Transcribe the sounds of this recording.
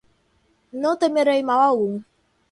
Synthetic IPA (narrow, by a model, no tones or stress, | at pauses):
notemeɾeimawaɣuŋ̩